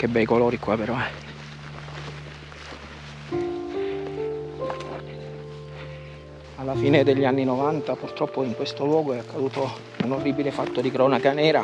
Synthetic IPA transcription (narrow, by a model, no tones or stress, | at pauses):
k̟ebːɛjkoloːɾikwapeɾɔɛ | alːafiːned̪eʎːanːinovant̪apurt̪ɾɔpːoiŋkwest̪olwɔːɡoɛakːad̪uːt̪o | unorːiːbilefat̪ːod̪ikɾɔːnakanɛːɾa